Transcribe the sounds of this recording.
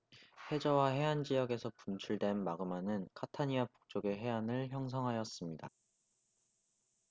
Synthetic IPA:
he̞d͡ʑʌwaɦe̞ɦand͡ʑijʌɡe̞sʰʌpunt͡ɕʰuɭdwe̞nmaɡɯmanɯnkʰatʰaɲiapu̥k̚t͡ɕ͈oɡe̞ɦe̞anɯɭçjʌŋs̬ʰʌŋɦajʌs͈ɯmɲida

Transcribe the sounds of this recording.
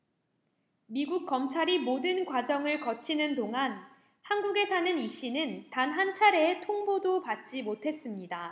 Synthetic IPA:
miɡuk̚k͈ʌmt͡ɕʰaɾimodɯnkwad͡ʑʌŋɯɭkʌt͡ɕʰinɯndoŋan | hanɡuɡe̞sʰanɯniɕ͈inɯntanɦant͡ɕʰaɾeːtʰoŋbodopat̚t͡ɕ͈imotʰe̞s͈ɯmɲida

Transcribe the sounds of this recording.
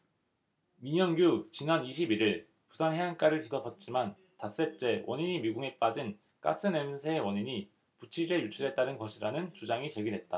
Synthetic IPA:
miɲʌnɡjut͡ɕinaniɕʰibiɾiɭ | pu̥sʰanɦeank͈aɾɯɭtidʌpʰʌt̚t͡ɕ͈iman | tas͈e̞t͡ɕ͈e̞wʔʌɲiɲimiɡuŋe̞p͈ad͡ʑin | k͈a̰s͈ʰɯne̞msʰeːwʌɲiɲi | put͡ɕʰiɾejut͡ɕʰɯɾɦe̞t̚t͈anɯnɡʌɕʰiɾanɯnt͡ɕud͡ʑaŋit͡ɕe̞ɡidwe̞t̚t͈a

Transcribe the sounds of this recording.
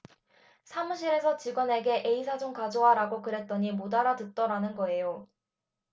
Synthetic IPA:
sʰamuɕ̬ʰiɾe̞sʰʌt͡ɕiɡwʌne̞ɡe̞ʔe̞is̬ʰad͡ʑoŋkad͡ʑowaɾaɡokɯɾe̞t̚t͈ʌɲimodaɾatɯt̚t͈ʌɾanɯnɡʌe̞jo

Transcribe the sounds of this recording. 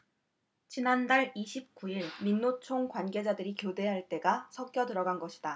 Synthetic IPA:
t͡ɕinandaɭiɕʰip̚k͈uiɭminːot͡ɕʰoŋkwanɡe̞d͡ʑadɯɾikjode̞ɦaɭt͈e̞ɡasʰʌkk͈jʌdɯɾʌɡanɡʌɕʰi̥da

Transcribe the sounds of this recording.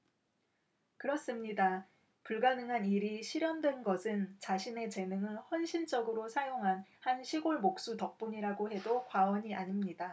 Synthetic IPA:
kɯɾʌs͈ɯmɲida | puɭɡanɯŋɦaniɾiɕʰiɾjʌndwenɡʌsʰɯnt͡ɕaɕʰine̞t͡ɕe̞nɯŋɯnɸwʌnɕʰint͡ɕ͈ʌɡɯɾosʰajoŋɦanhanɕʰiɡoɭmok̚s͈utʌk̚p͈uɲiɾaɡoɦe̞dokwawʌɲiʔaɲimɲida

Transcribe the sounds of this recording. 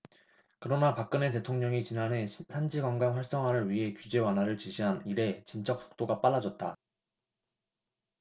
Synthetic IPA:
kɯɾʌnapak͈̚ɯne̞te̞tʰoŋɲʌŋit͡ɕinanɦe̞sʰand͡ʑiɡaŋɡaŋɸwaɭs͈ʌŋɦanɯɭɥiɦe̞kjud͡ʑe̞wanɦwaɾɯɭt͡ɕiɕʰiɦaniɾe̞t͡ɕint͡ɕ͈ʌk̚s͈o̥k̚t͈oɡap͈aɭːad͡ʑʌt̚t͈a

